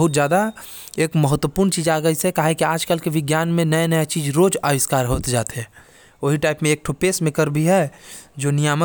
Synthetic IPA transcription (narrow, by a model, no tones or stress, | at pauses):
ɦʊt̪d͡ʒjaːd̪a | eːkməɦət̪wəpuːɾnt͡ʃiːd͡ʒaːɡəisekaːɦẽkiaːd͡ʒkəlkeʋɪɡjaːnmẽnəjenəjet͡ʃiːd͡ʒɾoːd͡ʒaːʋɪskaːɾɦoːt̪d͡ʒaːt̪eɦɛ | oːɦiʈaːɪpmẽeːk̚ʈʰʊpeːsmɪ̃kəɾbʱiɦɛd͡ʒoːnɪjaːmə